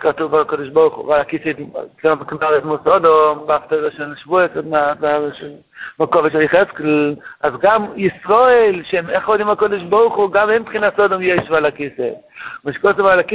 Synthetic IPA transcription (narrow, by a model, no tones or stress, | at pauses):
katuvakodiʃbɔʁχṵvalakisḛkamknaʁɛtmusɔdombafteʁɛʃɛlʃvuesmaaʃ | makɔvɛʃjχɛsklazɡamjisʁoelʃɛmɛχɔd̪imhakɔdiʃ̬bɔʁχuɡamɛmpχinasɔdomjɛʃvalakisemaʃkosuvalaki